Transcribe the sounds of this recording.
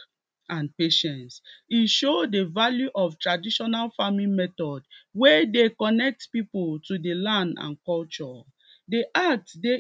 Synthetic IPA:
ãnpeʃɛ̃nsiʃodevaljuʔɔftɹadiʃɔnalfamĩnmɛtɔdwɛdekɔnɛk̚tpipultudelãndã̰nkɔlt͡ʃɔ | deʔatde

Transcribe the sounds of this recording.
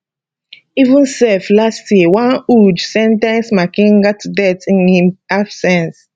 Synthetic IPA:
ivũnsɛflastjewãnud͡ʒsɛ̃ntãnsmakĩŋɡatdɛtĩnhĩmhav̥sɛ̃ns

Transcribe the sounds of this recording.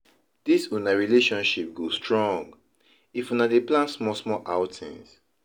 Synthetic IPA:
d̥isunaɹileʃɔ̃nʃip̚ɡostɹɔ̃ŋɡ | ifũnadeplãnsmɔsmɔlʔaʊtʰḭ̃ns

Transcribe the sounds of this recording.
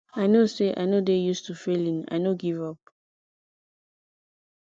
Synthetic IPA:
aɪnoseʔa̰ɪnodejustufelĩna̰ɪnoɡivɔp̚

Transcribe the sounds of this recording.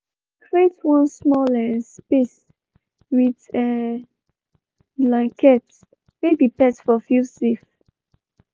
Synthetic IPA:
kɹetwɔ̃nsmɔlɛ̃nspes | widɛ | blãŋkʰɛt | mebipɛsfɔfjusif

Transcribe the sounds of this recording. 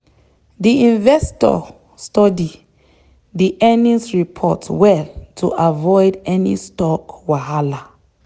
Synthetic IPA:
diĩnvɛstɔ̰ | stɔdi | diʔɛnĩŋsɹipʰɔtwɛltʰṵʔavɔjdɛnḭstɔkwahala

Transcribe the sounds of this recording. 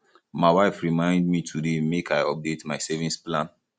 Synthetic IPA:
maɪwaɪfɹimãɪ̃ndmitʰudemekaɪɔp̚detmaɪsɛvĩnsplãn

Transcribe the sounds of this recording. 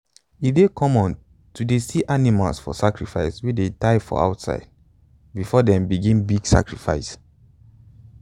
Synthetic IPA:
idekʰɔ̃mɔ̃n | tudesiʔanimalsfɔ̰sakɹifa̰ɪswidetaɪfɔ̰a̰ʊtsa̰ɪd̚ | bifɔdɛ̃mbiɡĩnbiɡsa̰kɹifa̰ɪs

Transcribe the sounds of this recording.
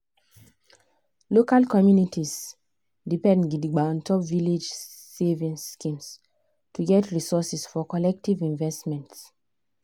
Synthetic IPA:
lokalkɔmjunitis | dipɛ̃ndɡidiɡ͡baɔ̃ntʰɔpviled͡ʒ | sevĩnskĩms | tuɡɛtɹisɔsisfɔkɔlɛk̚tivĩnvɛstmɛ̃nts

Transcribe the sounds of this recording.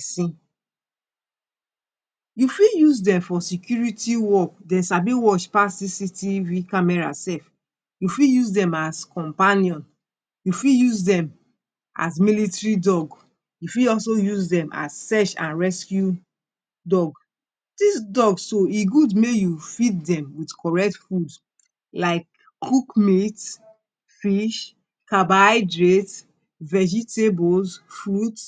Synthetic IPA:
sĩ | jufijuzdɛ̃mfɔsikjuɹitiwɔkdɛ̃nsabiwɔʃpastisitivikamɛɹa̰sɛf | jufijuzdɛ̃maskɔ̃mpaniɔ̃n | jufijuzdɛ̃m | ʔa̰s̬militɹidɔɡ | jufiɔls̬ojuzdɛ̃mʔa̰zsɛʃã̰nɹɛskju | dɔɡ | d̥isdɔɡssoiɡudmejufit̚dɛ̃mwidkʰɔɹɛk̚tfud | laɪkː | ukmit | fiʃ | kabaɪdɹet | vɛd͡ʒitebolsfɹut

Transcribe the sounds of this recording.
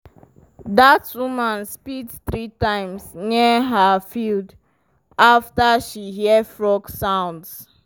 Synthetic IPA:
datwumãnspidθɹitãɪ̃msniəɦəfild | aftaʃiɦidfɹɔksãʊ̃nds

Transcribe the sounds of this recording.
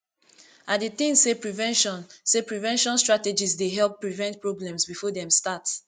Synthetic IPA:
adeθĩŋsepɹivɛ̃nʃɔ̃nsepɹivɛ̃nʃɔ̃nstɹated͡ʒisdeɦɛlˠpːɹivɛ̃nt̚pɹɔblɛ̃msbifɔdɛ̃mstats

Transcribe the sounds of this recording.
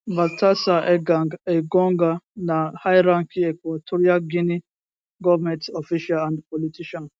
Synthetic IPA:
batasaʔeɡaŋɡeɡɔŋɡanahajɾaŋkiɛkʷwatʰoɾiaɡini | ɡɔvmɛ̃ntofiʃalãndpɔlitiʃan

